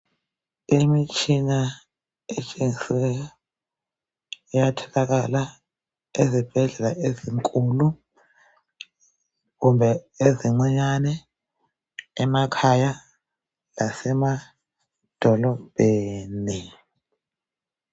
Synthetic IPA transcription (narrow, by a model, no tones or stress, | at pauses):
imit͡ʃʼʰina | et͡ʃʼeŋisɛjɔ | ijatʰɛlaɣ̬ala | ezib̥ʱɛɮɛlaʔeziŋkʼulu | ɣumbʱɛeziŋ͡ǃɛɲanɛ | makʰaja | lasɛma | d̥ʱɔlɔb̥ʱeːni